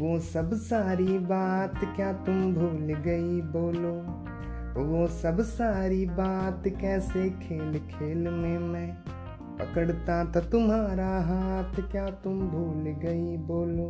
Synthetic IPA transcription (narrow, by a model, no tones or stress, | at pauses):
ʋoːsɐbsaːɾibaːt̪kjaːt̪ʊmbʱuːlɡɐiboːloː | ʋoːsɐbsaːɾibaːt̪kɛːsekʰeːlkʰeːlmẽmɛ̃ː | pɐ̰kəɽt̪at̪ɐt̪ʊmɦaːɾaɦaːt̪kjaːt̪ʊmbʱuːlɡɐiboːloː